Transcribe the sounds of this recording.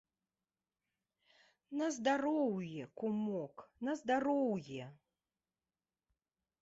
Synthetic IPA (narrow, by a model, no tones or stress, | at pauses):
nɐzd̪aɾɔwjɛkumɔknɐzd̪aɾɔwjɛ